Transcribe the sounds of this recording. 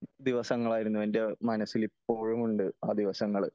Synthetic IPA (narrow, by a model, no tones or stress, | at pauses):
d̪iʋɐsɐŋːɐɭaːjiɾunːuʋende̞mɐnɐsːilipːo̞ːɻumuɳɖɨaːd̪iʋɐsɐŋːɐɭ